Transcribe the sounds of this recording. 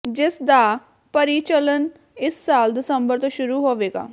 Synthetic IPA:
d͡ʒɪsd̪aː | pəɾiːt͡ʃələn | ɪsːaːld̪ɪsəmbəɾt̪õːʃʊɾuːɦoːʋeːɡa̰ː

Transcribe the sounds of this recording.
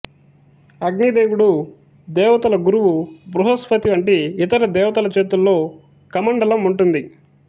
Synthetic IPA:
ɐɡnid̪eːɡuɽu | d̪ɛːʋɐt̪ɐlɐɡuɾuʋubɾuɦospɐt̪iʋɐɳʈiːt̪ɐɾɐd̪ɛːʋɐt̪ɐlɐt͡ʃeːt̪ulːo̞ː | kɐmɐɳɖɐlɐmuɳʈund̪i

